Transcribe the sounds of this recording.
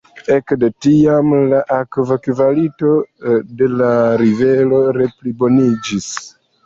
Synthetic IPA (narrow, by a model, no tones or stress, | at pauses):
e̞kdetiamlaʔakvakvalito̞de̞laɾive̞lo̞ɾe̞plibo̞nid͡ʒis